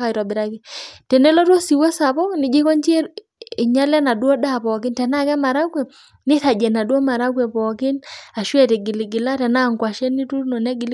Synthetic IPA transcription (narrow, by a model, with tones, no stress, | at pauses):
ka˨i˨tɔ˨bɪ˨ɾa˦kɪ˦tɛ˨nɛ˦lɔ˦two˦si˨wɔ˦sa˨pɔ˦nɪ˨˦d͡ʒe˦kɔ˦nt͡ʃi˦ɛ˦ɾ | i˨ɲa˦lɛ˦na˨dwɔ˦da˦˨pɔ˨kɪ˦ntɛ˨na˦˨kɛ˦ma˨ɾa˦ɡwɛ˨ | nɪ˦θa˨d͡ʒɛ˨na˨dwo˦ma˨ɾa˦ɡwɛ˨pɔ˨kɪ˦na˨ʃwɛ˦˨te˨ɡɪ˨li˨ɡɪ˨la˦tɛ˨na˦˨ŋkwa˨ʃɛ˦ni˦tu˦nɔ˨nɛ˦ɡɪ˨l